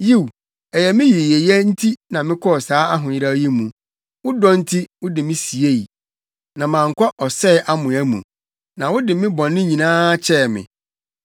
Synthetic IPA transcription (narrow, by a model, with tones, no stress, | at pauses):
ji˦˨w | ɛ˨jɛ˨mɪ̃˦ji˨je˨jɛ˦n̩˦tʰi˦nã˨mɪ̃˦kʰɔ˦ɔ˨saː˨˦a˦ɦʊ̃˨jɪ˦ɾa˦ji˦mũ˨ | wʊ˦dɔ̃˦n̩˦tʰi˦wʊ˦dɪ˨mɪ̃˦si˨e˦˨i˨ | nã˨mãː˨ŋ̩˨kʰɔ˦ʔɔ˨sɛ˦˨ʔa˦mʊ̃˨æ˦mṵ̃˨ | nã˨wʊ˦dɪ˨mɪ̃˦bɔ̃˨nːɪ̃˦ɲĩ˨nãː˦t͡ɕʰɛ˦˨mɪ̰̃˨